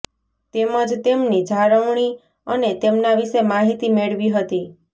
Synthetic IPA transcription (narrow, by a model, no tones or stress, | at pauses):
t̪eməd͡ʒt̪emnid͡ʒʱaɾəʋɳ̃i | ənet̪emnaʋiʃemaɦit̪imeɭʋiɦət̪i